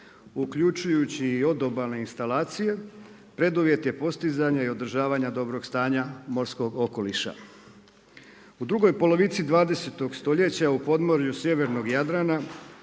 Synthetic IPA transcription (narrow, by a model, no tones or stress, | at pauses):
ukʎut͡ʃujut͡ɕiːo̞d̪o̞balne̞inst̪alaːt̪sije̞ | pɾe̞d̪uʋje̞t̪je̞po̞st̪izaɲaio̞d̪ɾ̩ʒaːʋaɲad̪o̞bɾo̞ɡst̪aːɲamo̞ɾsko̞ɡo̞ko̞liʃa̰ | ud̪ɾuɡo̞jpolo̞ʋit̪sid̪ʋaːd̪e̞set̪o̞ɡst̪o̞ʎe̞t͡ɕaupo̞d̪mo̞ɾjusje̞ʋe̞ɾno̞ɡjad̪ɾana